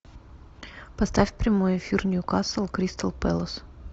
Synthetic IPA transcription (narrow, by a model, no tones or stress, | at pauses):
pɐst̪afʲpɾʲɪmojɪfʲirnʲjʊkasəlˠkɾʲist̪əlˠpɛ̰lˠəs